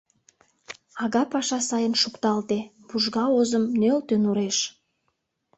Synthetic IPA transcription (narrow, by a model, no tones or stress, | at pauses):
ɑɣɑpɑʃɑsɑjənʃukt̪ɑlt̪e | b̥uʒɣɑozəmnølt̪ønuɾeʃ